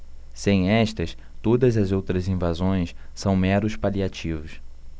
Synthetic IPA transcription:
sẽj̃ɛʃt̪ɐs | t̪od̪ɐzɐzowt̪ɾɐzĩvazõj̃s | sɐ̃w̃mɛɾʊspaliat͡ʃivʊs

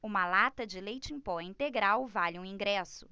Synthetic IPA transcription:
ũmɐlat̪ɐd͡ʒɪlejt͡ʃĩpɔɛĩnt̪eɡɾawvalɪũĩŋɡɾɛsʊ̥

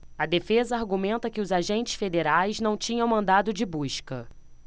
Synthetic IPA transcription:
ɐd̪efezɐaɾɡumẽnt̪ɐkɪʊzaʒẽnt͡ʃɪ̥sfed̪eɾajznɐ̃w̃t͡ʃĩɲɐ̃w̃mɐ̃nd̪ad̪ʊd͡ʒɪbuʃkɐ

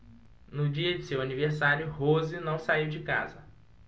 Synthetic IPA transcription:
nʊd͡ʒiɐd͡ʒɪsewaniveɾsaɾjʊhozɪnɐ̃w̃saiwd͡ʒɪka̰zɐ

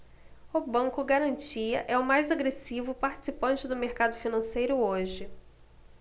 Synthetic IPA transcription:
ʊbɐ̃ŋkʊɡaɾɐ̃nt͡ʃiɐ̰ʔɛʊmajzaɡɾesivʊpaɾt͡ʃɪ̥sipɐ̃nt͡ʃɪd̪ʊmeɾkad̪ʊfinɐ̃sejɾʊoʒɪ

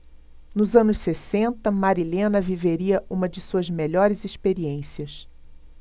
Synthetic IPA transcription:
nʊzɐ̃nʊʃsesẽnt̪ɐmaɾilẽnɐviveɾiɐʔũmɐd͡ʒɪsuɐzmeʎɔɾɪzispeɾiẽsiɐs

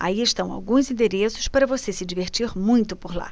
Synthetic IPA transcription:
a̰iɪʃt̪ɐ̃w̃a̰wɡũzĩd̪eɾesʊ̥spaɾɐvosesɪd͡ʒiveɾt͡ʃiɾmũj̃t̪ʊpoɾla̰

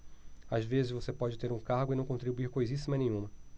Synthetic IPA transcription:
azvezɪzvosepɔd͡ʒɪt̪eɾũkaɾɡʊɪnɐ̃w̃kõnt̪ɾibuiɾkojzisimɐnẽjɲ̃ũmɐ

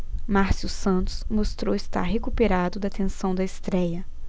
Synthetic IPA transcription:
maɾsusɐ̃nt̪ʊ̥smost̪ɾowɪst̪a̰ɾɦekupeɾad̪ʊd̪ɐt̪ẽsɐ̃w̃d̪ɐɪst̪ɾɛjɐ

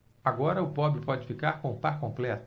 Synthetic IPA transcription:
aɡɔɾɐʊpɔbɾɪpɔd͡ʒɪfikaɾkõũpaɾkõmplɛt̪

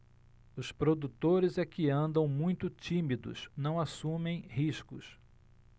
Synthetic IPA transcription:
ʊspɾod̪ut̪oɾɪzɛkɪɐ̃nd̪ɐ̃w̃mũj̃t̪ʊt͡ʃĩmid̪ʊ̰snɐ̃w̃asũmẽj̃hiʃkʊs

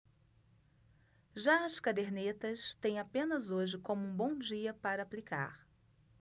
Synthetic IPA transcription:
ʒaɐskad̪eɾnet̪ɐst̪ẽj̃apẽnɐzoʒɪkõmʊũbõw̃d͡ʒiɐpaɾɐaːplika̰ɾ

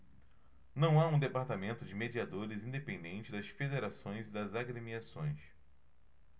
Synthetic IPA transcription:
nɐ̃w̃aũd̪epaɾt̪amẽnt̪ʊd͡ʒɪmed͡ʒiad̪oɾɪzĩd̪epẽnd̪ẽnt͡ʃɪd̪ɐsfed̪eɾasõj̃zɪd̪ɐzaɡɾemiasõ̰j̃s

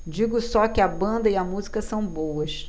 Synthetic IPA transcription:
d͡ʒiɡʊsɔkɪɐbɐ̃nd̪ɐɪɐmuzikɐsɐ̃w̃bowɐʃ

